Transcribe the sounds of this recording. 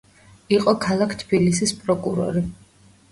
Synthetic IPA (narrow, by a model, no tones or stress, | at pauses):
iqʼɔkʰalˠakʰt̪ʰb̥ilisispʼɾɔkʼuɾɔ̰ɾi